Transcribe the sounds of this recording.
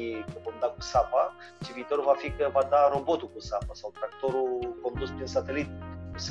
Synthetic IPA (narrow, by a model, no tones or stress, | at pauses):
kəvomd̪akusapa | t͡ʃiviːt̪o̞ɾuvafikəvad̪aɾo̞bo̞t̪ukusapasawt̪ɾakt̪o̞ɾuko̞nd̪uspɾinsat̪e̞lit̪̚kus